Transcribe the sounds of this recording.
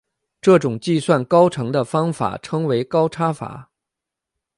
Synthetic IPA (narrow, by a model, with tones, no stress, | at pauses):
ʈ͡ʂɤ˥˩ʈ͡ʂʊ˨˩ŋt͡ɕi˥˧swa˥˩nkɑ˥ʊʈ͡ʂʰɤ˧˥ŋd̪ə˧fɑ˥ŋfa̰˨˩ʈ͡ʂʰɤ˥ŋwe˧˥ɪkɑ˥ʊʈ͡ʂʰa˥fa̰˨˩˦